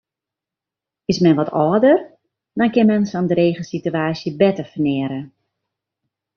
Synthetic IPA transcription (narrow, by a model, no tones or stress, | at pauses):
ɪsmɛnʋɔtɔːdər | dɔnkɪnmɛnsɔndəɾeːɣəsityaːsjəbɛtəfənɪəɾə